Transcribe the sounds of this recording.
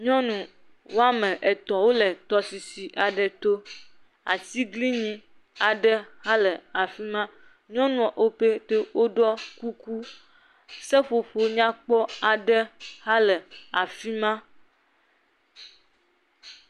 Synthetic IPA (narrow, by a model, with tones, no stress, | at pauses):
ɲɔ̃˦nũ˨ | wo˦a˦mẽ˨ʔe˨t̪ɔ˨wo˦le˨t̪ɔ˨si˨si˨ʔa˨ɖə˨t̪o˦ | a̰˨t̪i˦ɡli˦ɲĩ˦ | a˨ɖə˦ha˦lə˨a˨fi˦mã˦ | ɲɔ̃˦nũ˦ɔ˨ʔo˦pe˦t̪e˦wʔo˦ɖɔ˦ku˦ku˦ | sɛ˦ɸo˨ɸo˨ɲã˦k͡pɔ˦a˨ɖə˦ha˦lɛ˨a˨fi˦mã˦